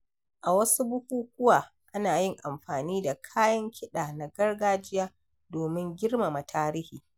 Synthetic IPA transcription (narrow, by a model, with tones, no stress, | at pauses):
ʔa˨wɐ˦su˦bʊ˦kʷuː˦k̚ʷʊ˦waː˨ | ʔa˦naː˨jɪ˦ŋʔa˨mɸaː˨niː˦da˨kʰaː˦jɐ˦ŋkʲʰɪ˦ɗaː˨na˨ɡɐ˦rɡaː˦d͡ʒɪ˦jaː˦ | doː˨mɪ˦ŋɡʲɪ˦rma˨ma˨tʰaː˦ɾiː˦hiː˨